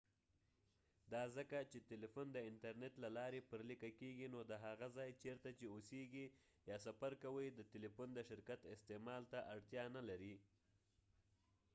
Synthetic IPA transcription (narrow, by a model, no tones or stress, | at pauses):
d̪ɑzəkat͡ʃet̪elifund̪əɪnt̪aɾnet̪lalɑɾepəɾlikakeɡinod̪əɦaɣazɑjt͡ʃeɾt̪at͡ʃeoseɡi | jɑsafaɾkawəjd̪ət̪elifund̪əʃɪɾkat̪ɪst̪emɑlt̪aʔaɽt̪jɑnalaɾi